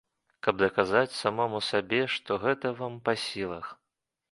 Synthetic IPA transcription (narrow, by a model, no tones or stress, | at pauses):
kɐb̚d̪ɐkazat͡sʲsamɔmusabʲɛʂt̪ɔɣɛt̪ɐvampasʲilˠɐx